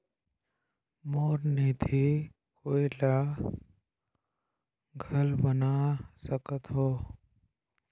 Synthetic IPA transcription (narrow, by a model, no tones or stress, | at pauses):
moːɾniːt̪ʰi | kʰoːila | ɡʱəlbənasəkət̪ɦoː